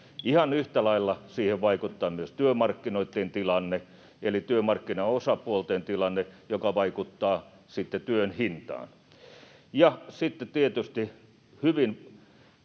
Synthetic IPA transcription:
ihɑnyht̪ælɑilːɑsiːheʋʋɑikut̪ːɑːmyøst̪yømɑrkːinoit̪ːent̪ilɑnːe | elit̪yømɑrkːinɑosɑpuolt̪ent̪ilɑnːejokɑʋɑikut̪ːɑː | sit̪ːet̪yønhint̪ɑ̰ːn | jɑsit̪ːet̪iet̪yst̪i | hyʋin

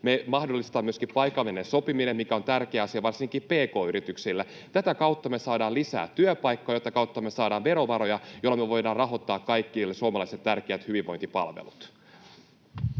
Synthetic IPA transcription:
memɑhdolːist̪ɑːmmyøskippɑjkːˑɑʋenːenso̞piminemmikæo̞nt̪ærkeːɑsiɑʋɑrsiŋkiːpe̞ːko̞ːyɾit̪yksilːæ | t̪æt̪ækɑwt̪ːɑmesɑːdɑːlisæ̰ːt̪t̪ːyøpɑjkːoɑːjot̪ːɑkɑuwt̪ːɑme̞sɑːdɑːʋʋe̞ɾo̞ʋɑɾo̞jɑjolːɑmyøʋo̞jdɑːrɑɦo̞t̪ːɑːkkːɑjkːiːlːesuomɑlɑiset̪tærkeæt̪hyʋiʋo̞̰jnt̪ipɑ̰lʋḛlut̪

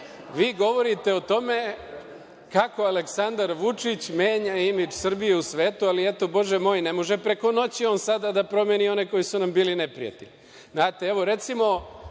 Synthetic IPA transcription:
ʋiːɡo̞ʋo̞ɾit̪e̞ot̪o̞me̞ | kako̞aleksand̪aɾʋut͡ʃit͡ɕmeːɲaimid͡ʒsr̩bijeusʋe̞ːt̪ualie̞t̪o̞bo̞ʒemo̞ːjnemo̞ʒepɾe̞ko̞no̞t͡ɕio̞ːnsad̪ad̪apɾo̞mjenio̞neko̞jisunambiːline̞pɾḭja̰t̪iʎ | znaːt̪eeʋo̞ɾe̞t̪simo̞

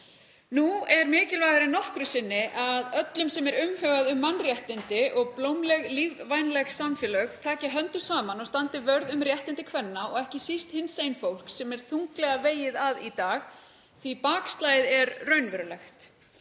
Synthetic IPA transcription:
nuɛɾmɪːcɪlvajðaɾɪnɔhkɾʏsɪnːɪʔaðœt̪lʏmsɛmɛɾʏmhœːɣaðʏmːanːrjɛht̪ɪnt̪ɪʔɔɣplowmlɛɣlivvajnlɛxsamfjɛlœɣt̪ʰaːcɪɦœnt̪ʏ̥saːmanɔɣst̪ant̪ɪvœɾðʏmrjɛht̪ɪnt̪ɪkʰvɛnːaɔɣɛhcɪsist̪hɪnsejnfowl̥ksɛmɛɾ̥θuŋklɛɣaveːjɪðaðit̪aːɣ | θipaːkst̪laːjɪðɛɾrœɥnvɛɾʏlɛxt̪

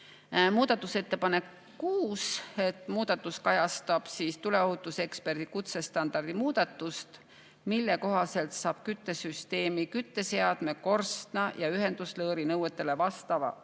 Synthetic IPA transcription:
muːd̪̥ɑt̪ːˑuse̞t̪ːe̞pɑne̞kː | uːse̞t̪ːˑmuːd̪̥ɑt̪ːˑuskɑjɑst̪ɑb̥siːst̪ule̞oɦut̪ːˑuse̞kspe̞rd̪̥ikut̪se̞st̪ɑnd̪̥ɑrd̪̥imuːd̪̥ɑt̪ːˑust̪ | milːe̞ko̞ɦɑse̞lt̪sɑːb̥kyt̪ːe̞syst̪e̞ːmikyt̪ːe̞se̞ɑd̪̥me̞ko̞rst̪nɑjɑyɦe̞nd̪̥uslɤːɾinɤwet̪ːˑe̞le̞vɑst̪ɑvɑ̰

